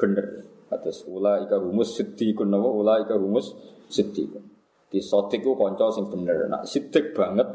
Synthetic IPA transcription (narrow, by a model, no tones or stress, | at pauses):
b̥ənər | at̪əsulaikaɦumʊsːit̪ikʊnːəkuulaikaɦumʊsː | it̪ḭkʊn | d̪̥isɔt̪ɪk̚ːukɔɲt͡ʃɔsɪŋb̥ənərna̰ʔsit̪ɪk̚b̥aŋət̪̚